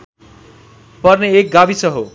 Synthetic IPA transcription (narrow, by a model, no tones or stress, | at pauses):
pʌrneek̚ɡabisʌɦo